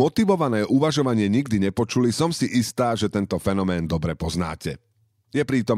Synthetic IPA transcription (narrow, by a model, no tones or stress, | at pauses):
mɔt̪iʋɔʋanɛːʔuʋaʒɔʋaɲɪɛɲiɡd̪iɲɛpɔt͡ʃulisɔmsiʔist̪aːʒɛt̪ɛnt̪ɔfɛnɔmɛːnd̪ɔbɾɛpɔzna̰ːcɛ | jɛpɾiːt̪ɔm